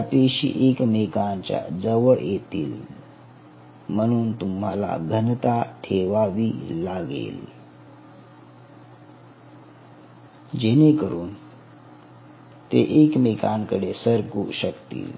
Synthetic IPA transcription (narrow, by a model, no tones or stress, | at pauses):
t̪eɕḭʔekmekant͡ɕja̰d͡zəʋəɭjet̪iːl | m̤əɽ̃uːnt̪umɦala̰ɡʱənt̪aʈʰeʋaʋiːlaɡḛl | d͡ʑenekəɾuːn | t̪eʔekmekankəɽesəɾkuɕəkt̪ḭːl